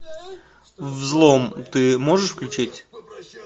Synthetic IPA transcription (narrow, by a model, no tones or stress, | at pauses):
vzlˠomt̪ɨmoʐɨʂfklʲʉt͡ɕitʲ